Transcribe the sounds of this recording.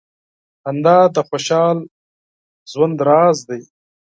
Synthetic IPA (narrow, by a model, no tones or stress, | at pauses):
hand̪ɑːd̪əxoʃɑːl | zwand̪ɾɑːzd̪aj